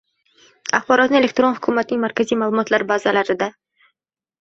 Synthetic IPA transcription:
aχbɒɾɒt̪nɪe̞lekt̪ɾonhʊkʰumat̪ʰɪnɪŋmaɾkʲʰazijmaːlˠumɒt̪laɾbazalaɾɪd̪a

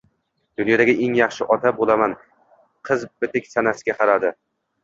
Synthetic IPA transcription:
d̪̥ʊnjɒd̪aɡʲɪʔeŋjɑχʃɪʔɒt̪ʰabolaman | qʰɨzbɪt̪ɪkʲsanasɪɡʲaqʰɑɾad̪ɪ

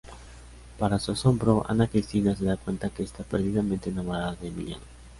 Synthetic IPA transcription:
paɾasuasombɾoʔa̰nakɾist̪inaseðakwent̪akeːst̪apeɾðiðamẽnt̪enamoɾaðaðemḭla̰ŋ

